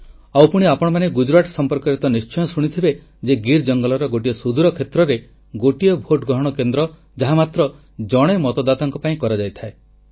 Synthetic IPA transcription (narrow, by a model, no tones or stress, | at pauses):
awpuɽ̃iapɔɽɔmaneɡud͡ʒɾaʈsɔmpɔɾkɔɾeit̪ɔnist͡ʃɔjɔsuɽ̃it̪ʰibe | d͡ʒeɡiɾd͡ʒɔŋɡɔlɔɾɔɡoʈiɔsud̪uɾɔkʰet̪ɾɔɾe | ɡoʈijɔbʱoʈɡɾɔɦɔɽ̃ɔkend̪ɾɔ | d͡ʒaɦamat̪ɾɔ | d͡ʒɔɽ̃emɔt̪ɔd̪at̪ɔŋkɔpaĩkɔɾad͡ʒajt̪ʰae